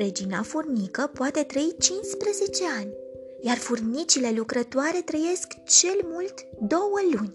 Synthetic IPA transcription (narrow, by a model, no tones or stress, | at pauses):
ɾe̞d͡ʒinafurnikəpoat̪e̞t̪ɾəit͡ʃinspɾəze̞t͡ʃe̞anʲ | jarfurnit͡ʃile̞lukɾət̪oaɾe̞t̪ɾəje̞skt͡ʃe̞lmult̪d̪o̞wəlunʲ